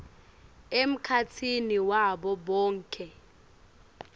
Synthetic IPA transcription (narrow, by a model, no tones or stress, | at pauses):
em̩kʰatʰiniwaɓɔɓɔːŋ̩kʼʰɛ